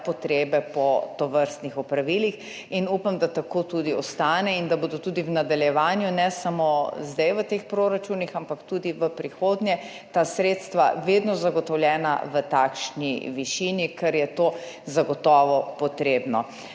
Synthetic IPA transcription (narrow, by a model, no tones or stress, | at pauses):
pɔt̪ɾeːbɛpɔt̪ɔʋəɾst̪nixɔpɾaʋiːlix | inuːpamd̪at̪akot̪ud̪iɔst̪aːnɛind̪abod̪ot̪uːd̪iwnad̪aljɛʋaːnjunɛsamozd̪ɛjʋət̪expɾoɾat͡ʃunixampakt̪uːd̪iʋəpɾixoːd̪njɛ | t̪asɾeːt̪st̪ʋa̰ʋed̪nɔzaɡɔt̪ɔwljɛːna̰ʋət̪aːkʃniʋiʃinikɛɾjɛt̪oː | zaɡɔt̪ɔːʋɔpɔt̪ɾeːbnɔ